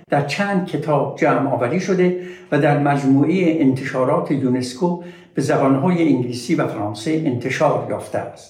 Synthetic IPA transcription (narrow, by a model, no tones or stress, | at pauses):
d̪̥æɾt͡ʃʰæːnd̪̥̚kʰe̞t̪ʰɒːb̥̚d͡ʒæːmʔɒ̰ːvæɾiːʃo̞d̪evæd̪æɾmæd͡ʒmuːʔejeʔent̪ʰe̞ʃɒːɾɒːt̪ʰejune̞skʰo | b̥e̞zæbɒnɦɒːjeʔiŋɡliːsiːvæfæɾɒːnse̞ʔent̪ʰe̞ʃɒːɾjɒ̰ːft̪ʰeæst̪